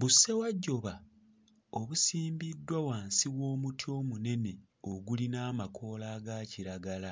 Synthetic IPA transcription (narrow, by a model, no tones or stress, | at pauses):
βusːe̞waɟːo̞βa | oβusiːmbidːwawaːnsiwo̞ːmutʰjo̞ːmune̞ne̞ | o̞ɡulinaːmakʰo̞ːlaːɡaːciɾaɡala